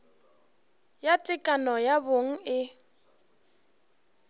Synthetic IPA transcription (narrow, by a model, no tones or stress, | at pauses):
jatʼɪkʼanɔjaboŋ̩ɪ